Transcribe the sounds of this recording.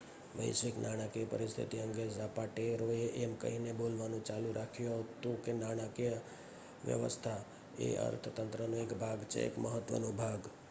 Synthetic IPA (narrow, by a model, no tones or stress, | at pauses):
ʋə̰ɪsʋɪknaɽ̃akepəɾɪst̪ʰḭt̪iɦə̃ŋɡezapaʈeɾoeʔemkə̰ɦineboːlʋanũt͡ʃaːluɾʔakʰijot̪okenaːɽ̃ake | ʋjə̰ʋə̰st̪ʰa | ḛʔə̰ɾt̪ʰət̪ə̃nt̪ɾənũekbʱaɡt͡ʃʰḛḛkməɦət̪ːʋə̰nũbʱaːɡ